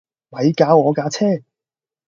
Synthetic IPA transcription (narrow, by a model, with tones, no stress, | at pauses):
mɐ˨˧jkaː˨˧wɔː˨˧kaː˧t͡sʰɛː˥˩